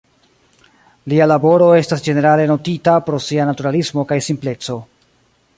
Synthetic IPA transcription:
lialabo̞ɾo̞e̞stasd͡ʒe̞ne̞ɾale̞no̞titapɾo̞sianatuɾalismo̞kajsimple̞t͡so̞

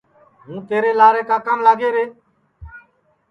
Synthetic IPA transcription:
ɦũːt̪eːɾeːlaːɾeːkaːkəmlaːɡeːɾeː

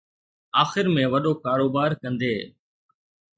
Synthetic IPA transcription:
aːxɪɾmẽːʋəɗoːkaːɾoːbaːɾkə̃nd̪eː

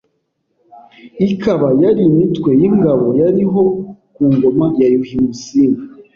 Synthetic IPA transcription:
ikʰaβajaɾimitkwe̞jiŋɡaβo̞jaɾiɦo̞kuːŋɡo̞majajuhimusima

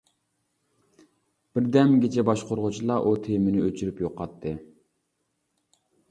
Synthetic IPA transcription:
b̥ɪɾd̪ɛmɡʲet͡ʃʰɛbɑʃqʰoɾʁʊt͡ʃʰilˠɑʔut̪ʰejmɪnɪøt͡ʃʰyɾypjoqʰːɑt̪ʰːɨ

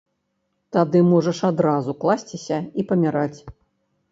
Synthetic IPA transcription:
t̪ad̪ɨmɔʐɐʂad̪ɾazuklˠasʲt͡sʲisʲɐipɐmʲaɾat͡sʲ

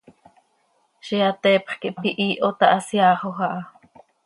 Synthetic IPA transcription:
ʃiɑt̪ɛːpχkiʔpiʔiːʔot̪ɑʔɑsjɑːχoxɑʔɑ

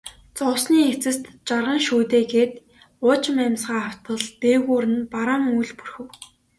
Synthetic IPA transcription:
t͡sɔwsniːet͡sɘ̆st̪t͡ɕarʁə̆ŋʃuːt̪eːɡeːt̪ | ʊt͡ɕmæmsɢaːaw̥t̪ə̆ɮp̪eːɣuːɾɘ̆npaɾamujɮpurxɘ̆w

